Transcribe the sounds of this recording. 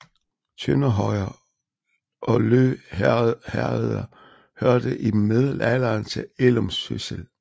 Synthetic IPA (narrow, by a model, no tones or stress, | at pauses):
t͡sʰønɐɦɒɪ̰ɐ | ʔɒ̽løː | hæeðˠɐ | høɐd̥əʔimeðˠlælɐnt͡sʰe̝elomsø̰sel